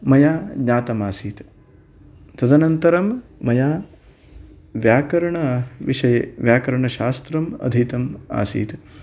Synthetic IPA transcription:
mɐjaːdɲaːt̪ɐmaːsiːt̪ | t̪ɐd̪ɐnɐnt̪ɐɾɐmːɐjaː | ʋjaːkɐɾɐɳɐʋiʃɐjɐʋjaːkɐɾɐɳɐʃaːst̪ɾɐmɐ̰d̪ʱit̪ɐma̰ːsḭːt̪

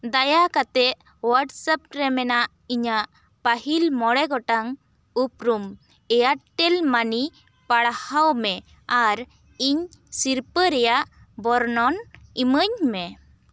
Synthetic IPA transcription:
d̪ajakat̪ɛʔ̚ | waʈsəp̚ɾɛmɛnaʔ | iɲaʔ | paɦilmɔɽɛɡɔʈaŋ | up̚ɾum | ɛjaʈːɛlmani | paɽhawmɛ | aɾ | iɲsiɾpəɾɛjaʔ | bɔɾnɔniməɲmɛ

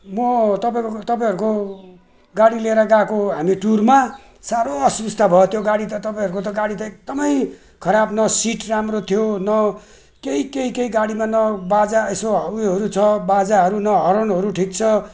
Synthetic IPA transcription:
mʌt̪ʌpaĩkot̪ʌpãj̃ɦʌɾuko | ɡaɽileɾʌɡakoɦamiʈurma | saɾoʌsust̪ʰabʱʌet̪ʰjoɡaɽit̪ʌt̪ʌpaĩʌɾukot̪ʌɡaɽit̪ʌek̚d̪ʌmʌj | kʰʌɾabnʌsiʈramrot̪ʰjonʌ | keikeikeiɡaɽimanʌbad͡zaesoɦʌwiɦʌɾut͡sʰʌbad͡zaɦʌɾunʌɦʌɾʌnɦʌɾuʈʰikt͡sʰʌ

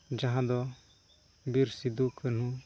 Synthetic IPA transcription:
d͡ʒaɦãd̪ɔ | biɾsid̪ukən̤u

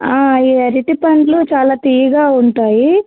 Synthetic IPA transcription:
aːiːɐɾiʈipɐɳɖlut͡ʃaːlaːt̪ijiɡaːuɳʈaːji

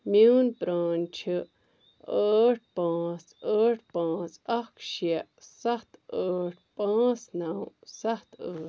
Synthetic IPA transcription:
mjuːnpɾaːnt͡ʃʰɨ | əːʈ̚ʰpãːt͡səːʈ̚ʰpãːsɐkʰʃiɛʔsɐt̪əːʈ̚ʰpãːsnawsɐt̪əː

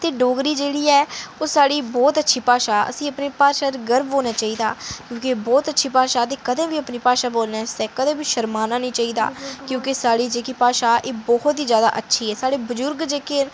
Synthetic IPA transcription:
t̪eːɖoːɡɾiːd͡ʒeːɽiːɛːoːsaːɽiːbɔːt̪ətːʃʰiːpaːʃaːə̰sĩːəpneːpaːʃaːɾɡəɾbɦõːnaːt͡ʃaːiːd̪aːkjõːkebɔːt̪ətːʃʰiːpaːʃaːt̪̬eːkəd̪ẽːbiːəpniːpaːʃaːboːlnɛːsɛːkəd̪ẽːbiːʃəɾmaːnaːnĩːt͡ʃaːiːd̪a̰ːkjõːkɪsaːɽiːd͡ʒeːkiːpaːʃaːʔeːbɔːhɔt̪iːzjaːd̪a̰ːʔətːʃʰiːɛːsaːɽeːbʊzʊɾɡd͡ʒeːke

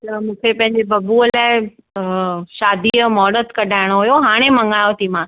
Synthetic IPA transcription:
t̪ɐmũːkʰepɐ̃ɦɪ̃ɲ̆d͡ʑebɐbuəlaːɪ | ʃaːd̪imɔːɽət̪kɐɖʱaːɪɽ̃oɦujoɦaːɽ̃emɐ̃ŋɡaːjot̪ʰimãː

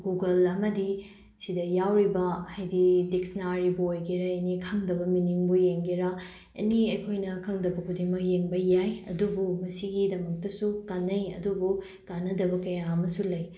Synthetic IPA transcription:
ɡuɡɐlɐmɐdi | sidɐjawɾibɐhajdidek̚snaɾibuojɡiɾɐɐnikʰɐŋdɐbɐminiŋbujeŋɡiɾɐ | ɐ̰niɐjkʰojnɐkʰɐŋdɐbɐkʰudiŋmɐk̚jeŋbɐjajɐ̰dubumɐsiɡidɐmɐk̚tɐsukanːɐjɐ̰dubu | kanːɐdɐbɐkɐjaɐmɐsulɐj

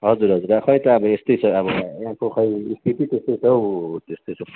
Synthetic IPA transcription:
ɦʌd͡zuɾɦʌd͡zuɾakʰʌj̃t̪ʌːbʌest̪ʌjt͡sʰʌʌbʌãkokʰʌjispiʈit̪est̪ʌjt͡sʰʌwt̪est̪ojt͡sʰʌ

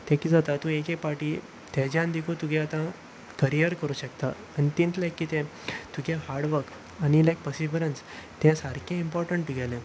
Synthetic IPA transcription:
t̪ɛ̃kiːd͡zat̪at̪ũekek̚paɾʈiː | t̪ɛ̃d͡ʑjãnd̪ikʰot̪uɡɛ̃at̪ã | kəɾijəɾkəɾuːɕəkt̪aːñit̪ĩnt͡slajkːiːt̪ɛ̃ | t̪uɡẽɦaɾɖʋəɾk | añilajk̚pəsiʋɾəns | t̪ɛ̃saɾkʰẽimpɔɾʈəɳʈːuɡʱɛlẽ

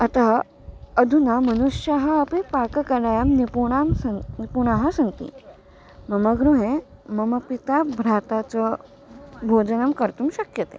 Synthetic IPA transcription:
ət̪aɦ | əd̪ʱunamənuʂjaɦəːpipakəkəɾajamnipuɳamsnipuɳaɦəsɐ̃nt̪ḭ | məməɡɾuɦẽməməpit̪abʱɾat̪at͡sə | bʱod͡zənəmkəɾt̪umɕəkjət̪e

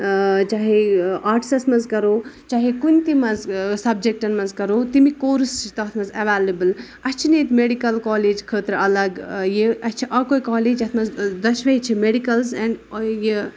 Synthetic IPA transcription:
t͡ʃaːɦeaːɾʈi̥sɐsmɐnzkɐɾoːt͡ʃaːɦekunʲt̪imɐzsɐb̚d͡ʒek̚ʈɐnmɐnzkɐɾoːt̪imikoːɾst͡ʃʰit̪ɐt̪ʰmɐzɐʋaːlebɨl | ɐt͡ʃʰinet̪meɖikɐlkɔːleːd͡ʒkʰəːt̪ɾɐlɐɡjeɐt͡ʃʰiʔɐkoːikɔːleːd͡ʒɐt̪ʰmɐzd̪ɐʃʋɐit͡ʃʰimeɖikɐlzɛ̃ɳɖje

